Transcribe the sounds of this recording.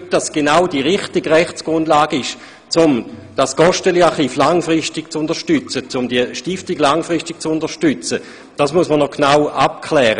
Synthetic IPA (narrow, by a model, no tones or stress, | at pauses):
d̥asɡ̥enaʊdiʁɪχtiɡʁɛχt͡sɡ̥ʁʊndlaːɡ̥ɪʃ | t͡sʊmd̥askɔʃtəliaχiːflaŋfʁɪstɪɡ̥t͡sʊnd̥əʃtyt͡sət͡sʊmdiəʃtɪftiɡlaŋfʁɪstɪɡ̥̚t͡sʊndəɐʃtyt͡sə | d̥asmuəsmənɔknawap̚kʰlɛːʁə